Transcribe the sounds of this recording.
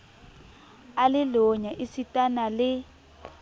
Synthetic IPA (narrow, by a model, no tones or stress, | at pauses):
alɪlɔɲaʔisitʼanalɪ